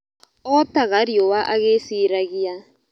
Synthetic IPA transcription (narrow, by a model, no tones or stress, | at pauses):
ɔtaɣaɾiowaʔaɣesiːɾaɣia